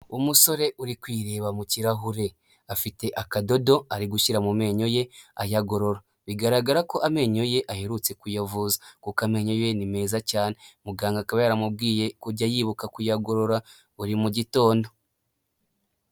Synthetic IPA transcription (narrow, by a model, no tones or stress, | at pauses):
umuso̞ɾe̞ʔuɾikwiːɾe̞ːβamuciɾaɦuɾe̞ | afite̞ʔakado̞do̞aɾiɡuʃiɾamume̞ːɲo̞je̞ajaɡo̞ɾo̞ɾa | βiɡaɾaɡaɾako̞ʔame̞ːɲo̞je̞ʔaheɾut͡se̞kujavuːzakukame̞ːɲo̞je̞nime̞ːzacaːne̞muɡaːŋɡakaβajaɾamub̚ɡiːje̞kuɟajiβukakujaɡo̞ɾo̞ɾa | uɾimuɟito̞ːndo̞